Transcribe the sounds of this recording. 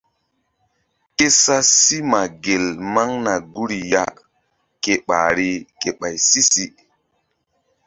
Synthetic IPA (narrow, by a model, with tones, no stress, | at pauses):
ke˦sa˦si˦ma˨ɡe˨lma˦ŋna˨ɡu˦ɾi˨ja˦ | ke˨ɓa̰˨ɾi˦ke˨ɓa˨jsi˦si˦